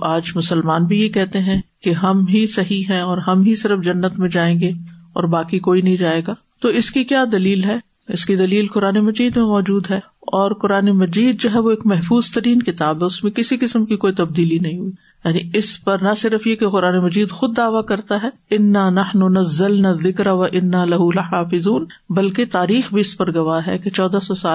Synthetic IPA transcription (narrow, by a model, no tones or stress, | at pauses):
ʔaːd͡ʒmʊsəlmaːnbʱijekɛɦt̪eɦɛ̃keɦɐmɦisɐɦiɦɛ̃ɔːɾɦɐmɦisɪɾəfd͡ʒɐnːət̪mẽd͡ʒaːẽːŋɡeɔ̰ːɾbaːkikoːinɐɦĩd͡ʒaːeːɡaː | t̪oɪskikjaːd̪ɐliːlɦɛː | ɪskid̪ɐliːlkʊɾaːnemɐd͡ʒiːd̪mẽmɔːd͡ʒuːd̪ɦɛː | ɔːɾqʊɾaːnemɐd͡ʒiːd̪̚d͡ʒoːɦɛʋoeːkmɛɦfuːzt̪ɐɾiːnkɪt̪aːbɦɛʊsmẽkɪsikɪsəmkikoːit̪ɐb̚d̪iːlinɐɦĩɦʊi | jaːniɪspɐɾnɐsɪɾəfjekeqʊɾaːnemɐd͡ʒiːd̪xʊd̪ːaːʋakɐɾt̪aɦɛːɪnːaːnɐħnʊnɐzːɐlnaːðːɪkɾaʋɐʔɪnːaːlɐɦulɪħaːfɪzuːn | bɐlket̪aːɾiːxbʱiɪspɐɾɡɐʋaːɦɛ̰ket͡ʃɔːd̪asɔsaːl